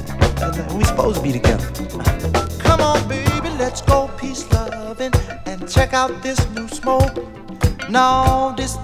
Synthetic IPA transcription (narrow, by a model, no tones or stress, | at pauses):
wisə̥poʊz̥tʰəbiɾɨɡɛ̰̃m | kʰʌ̃mə̃nbeɪbilɛtsɡ̥oʊpʰislʌvɪ̃ŋɨ̃nt͡ʃʰɛkaʊt̪̚ðɪsnusmoʊk | naʊðɪs